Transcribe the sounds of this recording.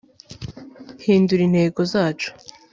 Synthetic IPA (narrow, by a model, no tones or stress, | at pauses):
hiːnduɾin̥he̞ːɡo̞zaːt͡ʃu̥